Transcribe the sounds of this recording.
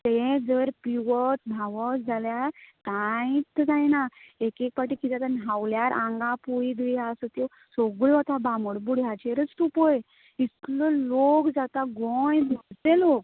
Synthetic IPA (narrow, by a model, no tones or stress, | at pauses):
t̪ed͡zəɾpiʋət̪̚bʱaʋɔt̪d͡zʱaljaɾkaĩt͡s̪ːd͡zajnaekek̚paʈikit̪at̪anaʋljaɾʔãŋɡãpuid̪iasət̪jɔ | soɡuɭʋɔt̪abaməɽbuɽ̤jat͡ɕeɾət͡st̪upɔj | istlɔlokd͡zat̪aɡɔjbult̪elok̚